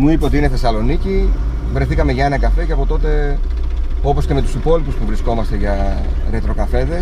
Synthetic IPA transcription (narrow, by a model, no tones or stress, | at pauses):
muipeot̪iine̞θe̞sɐlo̞nici | vɾe̞θikɐme̞ʝɐenɐkɐfe̞ceɐpo̞t̪o̞t̪e̞ | o̞po̞sce̞me̞t̪usipo̞lipuspuvɾisko̞mɐst̪e̞ʝɐ | ɾet̪ɾo̞kɐfe̞ðe̞s